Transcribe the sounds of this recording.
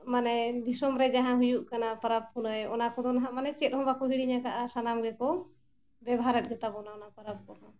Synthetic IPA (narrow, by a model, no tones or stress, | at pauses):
manɛd̪isɔmɾɛd͡ʒaɦãɦujuʔkanapəɾab̚kunɔjɔnakɔd̪ɔnɦãmanɛt͡ʃɛt̪̚hɔ̃bakɔɦiɽiɲakaʔasanamɡɛkɔ | bɛbɦaɾət̪̚ˀɡɛt̪abɔnaɔnapəɾab̚kɔnɔ